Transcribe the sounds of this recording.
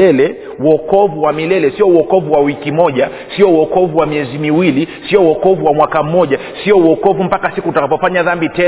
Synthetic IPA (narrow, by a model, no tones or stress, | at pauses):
ɛlɛ | uɔkɔvuwamilɛlɛsiɔuɔkɔvuwawikimɔʄa | siɔuɔkɔvuwamiɛzimiwilisiɔuɔkɔvuwamwakam̩mɔʄa | siɔuɔkɔvum̩pakasikutakapɔfaɲaðambitɛ